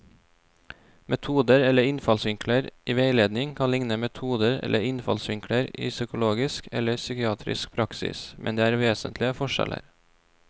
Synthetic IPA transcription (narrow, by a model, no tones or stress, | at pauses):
mʔɛt̪ʰuːd̪əɾɛləɾɪnfɑlsʋɪŋkʰləɾʔiːʋeɪleːd̪nɪŋkʰɑnlɪŋnəmɛt̪ʰuːd̪əɾɛ̰lʔəɾɪnfɑ̰lsʋɪŋkʰɽəɾḭːsʏkʊloːɡɪskɛ̰ləɾsʏkɪɑːt̪ʰɾɪ̰sk̚pʰɾɑksɪ̰smʔɛ̰nd̪eːæːɾʋeːsənt̪ʰlɪəfɔʃɛ̰lə̰ɾ